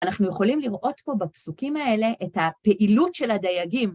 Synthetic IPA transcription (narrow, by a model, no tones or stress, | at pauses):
anaχnujeχo̞limliʁʔo̞tpo̞bapsukimae̞le̞ʔethapeʔilutʃe̞ladajaɡim